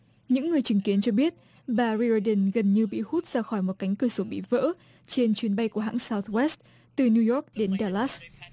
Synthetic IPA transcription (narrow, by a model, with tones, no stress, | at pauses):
ɲɨ̰˧˥ŋːɨ˨˩əjt͡ɕɨ˨˦ŋki˨˦ənt͡ɕɔ˧ɓi˦˥ət̚ | ɓaː˨˩ɹi˧ɔ˧ɗə˨˧˩nɣə˨˩nɲɨ˧ɓḭ˧˨hu˦˥t̚z̥aː˧xɔ˧˩jmo˨˩t̚ka˨˦ŋ̟kɨ˧˩əso˨˦ɓḭ˧˨və̰ː˧˥ | t͡ɕe˧nt͡ɕwi˨˦ənɓa˧jku˧˩əɦa̰ː˧˥ŋsaː˧wt̪̚wɛ˦˥st̚ | t̪ɨ˨˩ni˧jɔ˦˥k̚ɗe˨˦nɗaː˧˩laː˦˥s